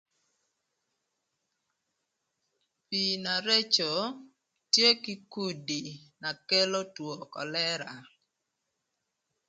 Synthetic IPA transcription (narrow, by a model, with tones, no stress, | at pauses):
pi˨na˨ɾe˦t͡ʃo˨ | tje˦ki˦ku˦di˨na˨ke˦lo˦two˨kɔ̰˨lɛ˦ɾa˨